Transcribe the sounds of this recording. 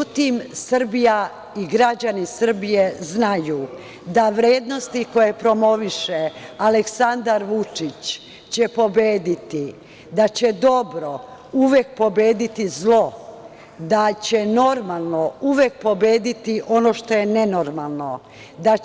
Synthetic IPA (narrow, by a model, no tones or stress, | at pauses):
ut̪imsr̩bija | iɡɾad͡ʑanisr̩bijeznaju | d̪aʋɾeːd̪no̞st̪iko̞je̞pɾo̞mo̞ʋiʃealeksand̪aɾʋut͡ʂit͡ɕ | t͡ɕe̞po̞beːd̪it̪i | d̪at͡ɕe̞d̪o̞bɾo̞ | uʋek̚po̞beːd̪it̪izlˠo̞ | d̪at͡ɕeno̞ɾmalˠnouʋe̞k̚po̞be̞ːd̪it̪iʔo̞no̞ːʃt̪o̞je̞ne̞no̞ɾmalˠno̞ | d̪a